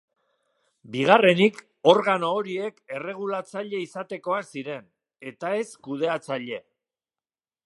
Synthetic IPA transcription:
biɣ̞are̞nik | o̞ɾɣano̞ːɾie̞ke̞re̞ɣ̞ulat͡saʎe̞isat̪e̞ko̞asiɾe̞n | e̞t̪ae̞skuð̞e̞at͡saʎe̞

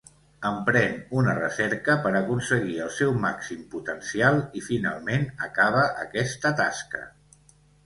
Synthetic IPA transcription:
əmpɾɛnunərə̰sɛɾkəpəɾəkunsəɣ̞iəlˠsɛwmaksimput̪ənsialˠifina̰lˠmenəkaβ̞əʔəkɛst̪ət̪askə̰

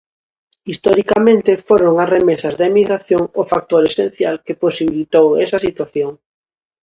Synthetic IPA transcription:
ist̪ɔɾikamẽnt̪ɪfoɾoŋasremesɐzðaemiɣɾaθjoŋʊfak̚t̪oɾesẽn̟θjalkeposiβilit̪owɛsɐsit̪waθjoŋ

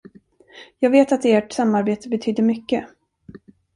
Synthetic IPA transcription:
jɑːɡveːt̪at̪eːʈsamːaɾbeːt̪əbɛt̪ʰyːd̪əɾmʏkːə

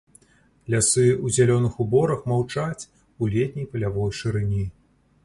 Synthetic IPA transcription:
lʲasɨuzʲalʲɔnɨxubɔɾɐxmawt͡ʂat͡sʲ | ulʲɛt̪ʲnʲɛjpɐlʲavɔjʂɨɾɨnʲi

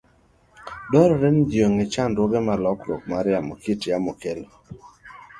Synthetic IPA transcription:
dɔɾɔɾɛnd͡ʒjoŋɪt͡ʃandwɔɡɛmalɔkɾɔ̰k̚maɾjamɔkitjamɔkelo

